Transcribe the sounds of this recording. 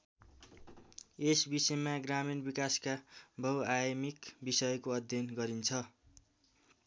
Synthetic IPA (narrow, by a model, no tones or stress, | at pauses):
esbisʌemaɡraminbikaskabʱʌwajʌmikbisʌjʌkoʌd̪ʱjʌnɡʌɾint͡sʰʌ